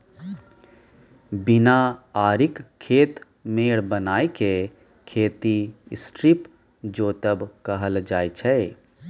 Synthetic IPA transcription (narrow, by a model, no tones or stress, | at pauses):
bɪnaaːɾɪkkʰːeːt̪ | meːɽbənaːeke | kʰeːt̪iɪsʈɾɪp | d͡ʒoːt̪əbkəɦəld͡ʒaːit͡ʃʰɛ